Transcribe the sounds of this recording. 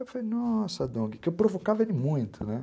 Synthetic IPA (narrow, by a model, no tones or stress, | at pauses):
ewfalenɔsɐd̪õɡɪkɪewwpɾovokavɐelɪmũj̃t̪ʰʊnɛ